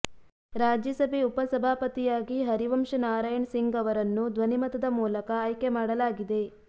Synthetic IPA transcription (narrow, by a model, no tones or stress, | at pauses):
ɾaːd͡ʒjɐsɐbʱeupɐsɐbʱaːpɐt̪ijaːɡiɦɐɾiʋɐmʂɐnaːɾaːjɐɳsiŋɡɐʋɐɾɐnːud̪ʋɐnimɐt̪ɐd̪ɐmuːlɐkɐːjkemaːɽɐlaːɡid̪e̞